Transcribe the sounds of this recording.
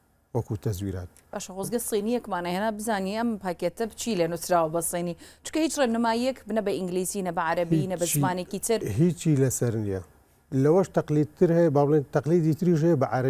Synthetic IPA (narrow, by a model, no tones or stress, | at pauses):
wɐkut̪ʰɐzwḭːɾa̰ːt̪̚ | b̥aːʃɐɣozɡɐsˤiːnijɐkmaːnɐhɐnaːbɨzaːniʔɐmpaːket̪ɐbt͡ʃʰileːnusɾaːwbɐsˤiniːt͡ʃʰʊ̥kɐhiːt͡ʃrenumaːjiekbnɐbɐʔɪŋɡliːziːnɐbɐʕaɾɐbinɐbɐzzmaːnekiːt̪ʰɨɾɦiːt͡ʃʰiːlɐsɐɾnijɐ | lɐwɐʃt̪ɐqlid̪̚t̪ʰɨɾhɛjbaːbleːnt̪ɐqliːd̪iːt̪ɨɾiːʃ̬hɛjebɨʕaɾɐ